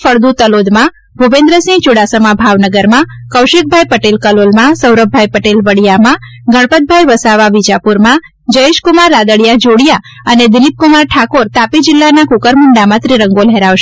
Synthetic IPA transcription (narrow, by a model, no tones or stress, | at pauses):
fəɭd̪ut̪əlod̪mã | bʱubẽnd̪ɾəsĩŋt͡ʃuɽasəmãbʱaʋnəɡəɾmãkəwʃek̚bʱajpəʈelkəlolmãsəwɾəb̚ʱajpəʈelʋəɽijamã | ɡəɽ̃pət̪̚bʱajʋəsaʋaʋid͡ʒapuɾmã | d͡ʒəeʃkumaɾːad̪əɽjad͡ʒoɽja | əned̪ɪlip̚kumaɾʈʰakoɾt̪apid͡ʒɪlːanakukəɾmʊɳɖamãt̪ɾiɾəŋɡolɦɛɾaʋʃe